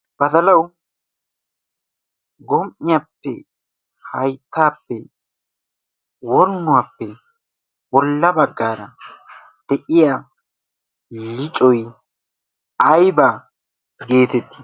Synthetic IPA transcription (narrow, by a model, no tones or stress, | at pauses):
b̥ɐd̪ɐlɐw | ɡɔmʔɪjapːɛ | hɐjt̪ːaːpːɛ | wɔɾnːʊwaːpːɛ | wɔlːɐbɐɡːaːɾɐ | d̪̥ɛʔɪjaː | lɪt͡ʃʼɔj | ɐjbaː | ɡe̞ːt̪ɛt̪ːɪ̥